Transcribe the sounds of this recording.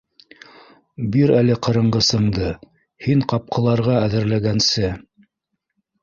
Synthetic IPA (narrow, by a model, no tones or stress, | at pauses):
biɾælɘqɤ̆ɾɤ̆ɴɢɤ̆sɤ̆ɴd̪ɤ | hiɴqɑp̚qʰɤ̆lˠɑɾʁɑæðɘ̆ɾlæɡænsɘ